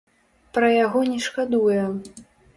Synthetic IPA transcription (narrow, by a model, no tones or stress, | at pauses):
pɾɐjaɣɔnʲɛʂkad̪ujɛ